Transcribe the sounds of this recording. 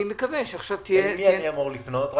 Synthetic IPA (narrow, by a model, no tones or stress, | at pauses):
imekavenʃeaχʃavt̪ijemiajiamoʁlifnot̪ʁ